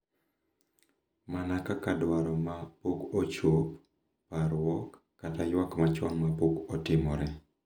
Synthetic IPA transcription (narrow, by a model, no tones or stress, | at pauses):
manakakadwaɾɔmapokot͡ʃop̚ | paɾwɔkː | atajwakmat͡ʃwaŋmapokɔtɪmɔɾɛ